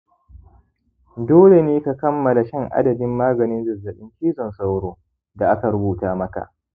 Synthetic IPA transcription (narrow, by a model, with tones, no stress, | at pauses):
doː˦le˨neː˦ka˨kɐ˦mːɐ˨la˨ʃɛ˦˨ŋʔa̰˦dɐ˨dɪ˦mːaː˦ɡɐ˨nɪ˦nzɪ˨zːɐ˨ɓɪ˦ŋkʲiː˦zɔ˨nsa˦wɾoː˦ | da˨ʔa˦ka˨ɾʊ˦buː˨taː˦mɐ˦ka̰˨ʔ